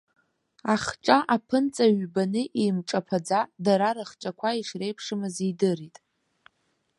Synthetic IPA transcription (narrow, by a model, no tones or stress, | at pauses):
aχʈ͡ʂʼaʔapʰɨnt͡sʼaɥbanɨʔimʈ͡ʂʼapʰad͡zadaɾaɾɨχt͡ʃʼakʷʰaiʂrejpʰʂɨmɨzidɨritʼ